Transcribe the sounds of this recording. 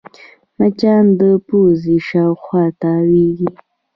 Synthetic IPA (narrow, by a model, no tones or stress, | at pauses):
nat͡ʃand̪əpuziʃawxwɑt̪awiɡi